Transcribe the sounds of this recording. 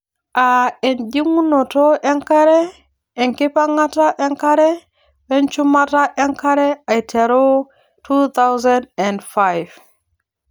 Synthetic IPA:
ʔaɛnd͡ʒiŋunɔtɔʔɛŋkaɾɛ | ʔɛŋkipaŋataʔɛŋkaɾɛ | bɛnt͡ʃumataʔɛŋkaɾɛajtʰɛɾo | tut̪awzandɛndfajv

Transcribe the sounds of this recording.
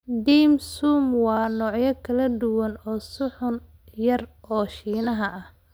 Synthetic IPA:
d̪iːmsuːmwɑːnɔːʕjɐkʰɐlɐd̪ʊwɐnɔːsʊħʊn | jɐrɔːʃiːnɐɦɐʔɐh

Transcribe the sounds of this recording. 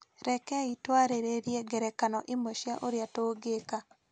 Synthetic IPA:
ɾɛkɛitwaɾeɾeɾjeɡɛɾɛkanɔʔɪmoʃjaʔoɾjatoːɡeka

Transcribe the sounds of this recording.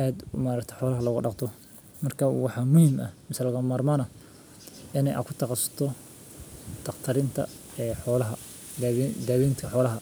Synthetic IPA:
ad̪maːɾɐkt̪ʰɛjħɔːlɐɦɐlɐɣʊɖɑqt̪ʰɔ | mɐrkʰɐwɑħɑmʊhɪmʔɐ̰mɪsɐlɐɣɐmaːrmaːnɐ | ʔɪnɛ̰jʔɐ̰kʰʊt̪ʰɑqɑsɐ̥t̪ʰɔ | d̪̥ɑqt̪ʰɐɾɪnt̪ʰɐ̰ | ɛːħɔːlɐɦɐ | d̪ɐːβiːnt̪kʰɐħɔːlɐɦɐ

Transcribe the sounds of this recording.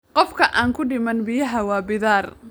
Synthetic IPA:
qɔfkʰɐʔaːŋkʰʊɖɪmɐnbɪjɐɦɐwɑːbɪðaːr

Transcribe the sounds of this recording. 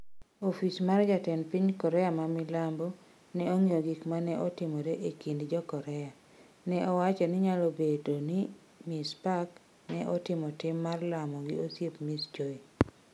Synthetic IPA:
ofismard͡ʒatɛnpiɲkɔɾɛamamɪlambɔ | nɛoŋioɡikmanɛʔɔtɪmoɾeʔekindd͡ʒɔkɔɾɛa | nɛʔɔwat͡ʃɔnɪɲalobedonɪ | mispak | nɛʔɔtɪmɔtɪmːarlamɔɡɪosjepmisd͡ʒoi

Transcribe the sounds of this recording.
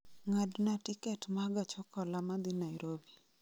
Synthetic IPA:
ŋadnatikɛtmaɡat͡ʃɔkɔlamad̪inaiɾobi

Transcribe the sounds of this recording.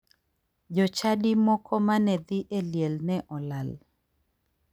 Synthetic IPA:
d͡ʒɔt͡ʃadimɔkɔmanɛd̪ɪʔeljelnɛʔɔlal

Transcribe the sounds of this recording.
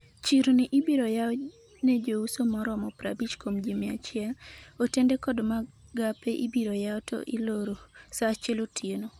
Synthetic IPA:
t͡ʃiɾonɪʔɪbiɾojaɔ | ned͡ʒousomɔɾɔmɔpɾa̰bit͡ʃkomd͡ʒimɪa̰t͡ʃɪaotendekɔdmaɡapeʔibiɾojaɔtʰo̰ʔɪloɾosat͡ʃelotʰjeno

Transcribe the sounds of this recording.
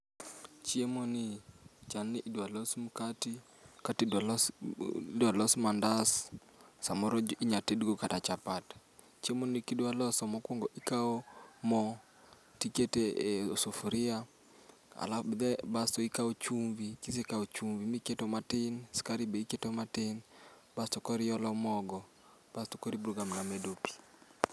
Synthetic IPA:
t͡ʃiɛmɔnit͡ʃanːiʔidalɔsmukati | katidals | dalɔsmandas | samɔɾɔiɲatɛdɡɔkatat͡ʃapatḁ | t͡ʃiɛmɔnikidwalɔsɔmɔkwɔŋɡɔʔikaɔmɔ | tiketeosofuɾɪa | a̰lafbd̪ɛbastoikaot͡ʃuɱvikis̬ekaot͡ʃuɱvimiketomatɪnskaɾibeiketomaten | bastɔkɔɾɪjɔlɔmɔɡɔ | b̥asto̥kɔɾibɾoɡamnamedopi̥

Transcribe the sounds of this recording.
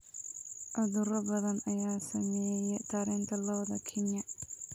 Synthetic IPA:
ʔɐðʊɾɐbɐðɐnɐjaːsɐmɛːjɛdt̪ʰɐɾɛːnt̪ʰɐlɐwd̪ɐkʰɛɲjɐ

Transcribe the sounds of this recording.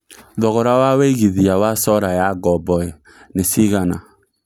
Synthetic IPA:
ðɔɣɔɾawaweiɣiðiawasɔɾajaɡɔbɔe | nesiɣana

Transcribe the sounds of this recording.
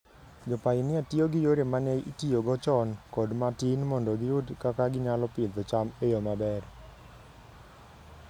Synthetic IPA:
d͡ʒɔpajɪnɪatioɡɪjoɾemanɛjitijoɡɔt͡ʃɔnkɔdmatinmɔndɔɡɪudkakaɡɪɲalɔpɪd̪ɔt͡ʃamejomabɛr

